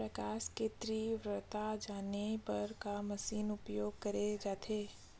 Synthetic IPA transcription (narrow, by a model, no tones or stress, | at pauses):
pɾɐkaːsket̪ɾiʋɾət̪ad͡ʒaːnepɐɾkamɐsiːnʊpjoːɡ̚kɐɾed͡ʒaːt̪ʰeː